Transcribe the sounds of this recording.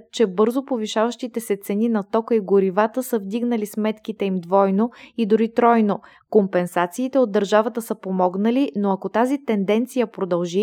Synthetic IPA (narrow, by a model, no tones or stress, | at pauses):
t͡ʃɛbɤɾzopoviʃavəʃt̪it̪ɛsɛt̪sɛninɐt̪ɔkəiɡʊɾivat̪əsəvd̪iɡnəlismɛt̪kit̪ɛimd̪vɔjnoid̪ʊɾit̪ɾɔjno | kompɛnsat̪siːt̪ɛod̪ːəɾʒavət̪əsəpomɔɡnəlinoɐkot̪azit̪ɛnd̪ɛnt̪sijəpɾod̪ɐlˠʒi